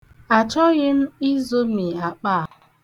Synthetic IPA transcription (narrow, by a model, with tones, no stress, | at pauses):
a˨t͡ʃɔ˦ɣɪ˦n̩˦i˦zo˦mi˨a˨k͡paː˦˨